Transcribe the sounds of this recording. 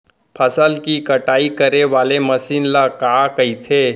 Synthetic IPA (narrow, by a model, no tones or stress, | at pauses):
pʰəsəlkikəʈaːikəɾeʋaːlemɐsiːnlakaːkəit̪ʰeː